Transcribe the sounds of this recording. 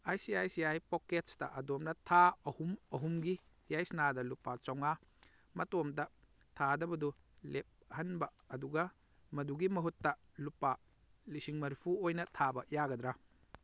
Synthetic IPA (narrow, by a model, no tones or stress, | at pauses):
ajsiajsiajpoketstɐ̰ʔɐdomnɐtʰaɐhumɐɦumɡi | jajsnadɐlupat͡ʃɔŋa | mɐtomdɐ | tʰadɐbɐdu | lep̚hɐnbɐːduɡɐ | mɐduɡimɐɦutːɐ | lupa | lisiŋmɐɾpʰuojnɐtʰabɐjaɡɐd̪ɾa